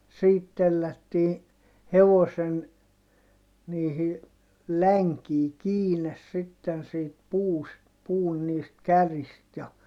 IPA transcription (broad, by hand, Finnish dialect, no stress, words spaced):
siːt telːætːiː heʋosen niːhi læŋkiː kiːnes sitːen siːt puːst puːn niːst kærist jɑ